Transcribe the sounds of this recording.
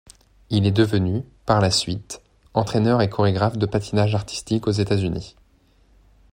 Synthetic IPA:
ilɛd̪əvənypaʁlasɥit̪ | ɑ̃t̪χenœʁekʰɔʁeɡʁafd̪əpat̪ʰinaʒaʁt̪i̥st̪ikozet̪azynḭ

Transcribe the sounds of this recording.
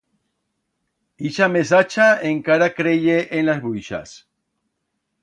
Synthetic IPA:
iʃames̬at͡ʃaeŋkaɾakɾeʎeʔenlazβuʃa̰s

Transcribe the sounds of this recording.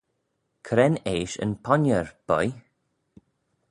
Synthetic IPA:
kʰɾɛneːʃə̰npʰɔnəɹb̥ɔ̰j

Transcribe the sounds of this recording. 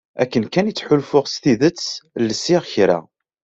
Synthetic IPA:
ækːənkænət͡sːħʊlfʊʁst̪iðət͡sːlːəsːiʁçɾæ̰

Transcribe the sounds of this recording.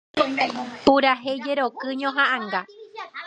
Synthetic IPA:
puɾaɦejd͡ʒeɾokɨɲõɦãʔãŋɡa

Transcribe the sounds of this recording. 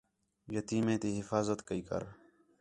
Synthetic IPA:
jət̪iːmẽːt̪iːɦɪfaːzət̪kəiːkə̰ɾ

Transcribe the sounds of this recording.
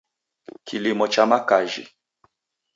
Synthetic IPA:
kʰilimɔt͡ʃamakaʒḭ

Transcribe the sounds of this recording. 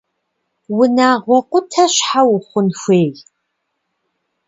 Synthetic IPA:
wʊnaːʁʷɔqʷʊtʰɐɕħawʊχʷʊnxʷeːɣ

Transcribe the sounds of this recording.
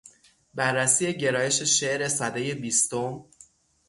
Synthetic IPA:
bærːæsiːje̞ɟe̞ɾɒːje̞ʃe̞ʃe̞ʔɾe̞sæd̪eje̞biːst̪om

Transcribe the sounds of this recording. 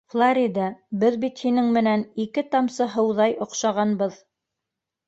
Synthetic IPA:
flˠaɾʲid̪ɑbɘðbit̪hinɘŋmɘ̆nænikɘt̪ɑmsɤɦɤ̆wðɑjŏqʃɑʁɑnbɤð

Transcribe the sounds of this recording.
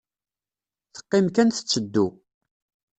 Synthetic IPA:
θə̥qːɪmkænθə̥t͡sːəd̪ːu

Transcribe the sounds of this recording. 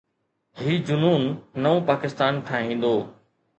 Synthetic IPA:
ɦiːd͡ʑʊnuːnːɐʋõpaːkɪst̪aːnʈʰaːɦĩːn̆d̪oː

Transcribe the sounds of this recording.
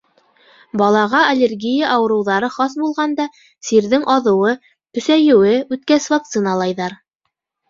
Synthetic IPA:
bɑlˠɑʁɑɐlʲerɡʲijɑʔɑwɤ̆ɾɤ̆wðɑɾɤχɑsbulˠʁɑnd̪ɑ | siɾðɘŋʔɑðɤ̆wɤ | t̪ɵ̆sæjɘ̆wɘʉt̪̚kæsvak̚t̪sɨnɑlˠɑjðɑɾ

